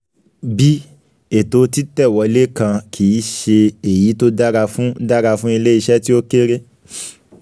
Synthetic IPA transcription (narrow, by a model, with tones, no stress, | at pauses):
bi˦ | e˨to˧˦ti˦tɛ˦˨wɔ˨˧i˧le˦kã˧kʰi˨˦ʃe˧e˨ji˨˦to˦da˦ɾa˧fũ˦da˦ɾa˧fũ˦i˧le˦i˧ʃɛ˦ti˦o˦ke˦ɾe˦